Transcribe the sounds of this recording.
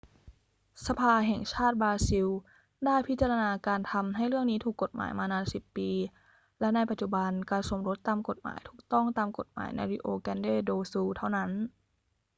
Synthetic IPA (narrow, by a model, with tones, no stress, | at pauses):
sa˧pʰaː˧ɦɛ˨˩ŋt͡ɕʰaː˥˩t̪̚baː˧si˧w | daː˥˩jpʰi˦˥t̪̚t͡ɕa˧ɾa˧naː˧kaː˧nt̪ʰa˧mɦa˥˩jɾɯ˥˩əŋniː˦˥t̪ʰuː˨˩kːo˨˩t̪̚ma̰ː˩˦jmaː˧naː˧nsi˨˩pːiː˧ | lɛ˦˥na˧jpa˨˩t̪t͡ɕu˨˩ba˧nkaː˧nso˩˦mɾo˦˥t̪ːaː˧mko˨˩t̪̚ma̰ː˩˦jt̪ʰuː˨˩k̚t̪ɔ˥˩ŋt̪aː˧mko˨˩t̪̚ma̰ː˩˦jna̰˧jɾi˦˧˥ʔoː˧kɛ˧ndeː˥˩doː˧suː˧t̪ʰa˥˩wna˦˥n